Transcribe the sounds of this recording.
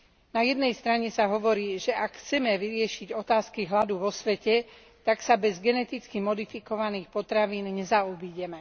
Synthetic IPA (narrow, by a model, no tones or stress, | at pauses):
najɛd̪nɛjst̪ɾaɲɛsaɦɔʋɔɾiːʒɛʔakxt͡sɛmɛʋiɾɪɛʃiɟɔt̪aːskiɦlad̪uʋɔsʋɛcɛ | t̪aksabɛzɡɛnɛt̪it͡skimɔd̪ifikɔʋaniːxpɔt̪ɾaʋiːnɲɛzaubiɟɛmɛ